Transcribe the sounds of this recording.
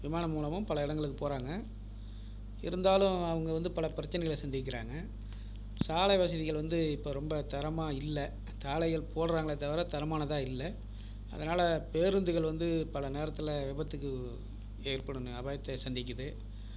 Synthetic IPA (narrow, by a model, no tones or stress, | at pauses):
ʋɪmaːnɐmuːlɐmɯmpɐlɐɪɽɐŋɡɐɭɯkːɯpoːɾaːŋɡɐ | ɪ̰ɾɯnd̪aːlɯ̃ɐʋɐŋɡɐʋɐnd̪ɯpɐlɐpɪɾɐt͡ʃːɐnɛɪɣɐɭsɐnd̪ɪk̬ːɪɾa̰ːŋɡɐ | saːlɐjʋɐs̬ɐðɪɣɐɭʋɐnd̪ɯɪpːoːɾɔmbɐt̪ɐɾɐmaːɪlːɐ | t̪aːlɐɪɣɐɭpoːɽɾaːŋɡɐɭɐt̪ːɐʋɪɾɐt̪ɐɾɐmaːnɐðãːɪlːɐ | ɐ̰ðɐnaːlɐpeːɾɯnd̪ɯɣɐɭʋɐnd̪ɯpɐlɐneːɾɐt̪ːɪlɐʋɪbɐt̪ːɯkːɯ | eːrpɐɳɯnɯɐbɐjɐt̪ːɐsɐnd̪ɪk̬ʲːɯðɯ